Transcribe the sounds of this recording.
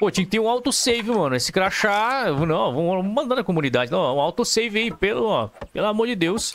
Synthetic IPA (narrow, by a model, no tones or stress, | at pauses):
pot͡ʃ̪ẽkɪt̪eɾũawt̪osejvɪmɐ̃nʊesɪ̥kɾaʃaewvonɐ̃võmɐ̃nd̪anɐkomũnid̪ad͡ʒɪnɐ̃w̃ɛũawt̪osejvɪaipelʊɔpelʊamoɾd͡ʒɪd̪ews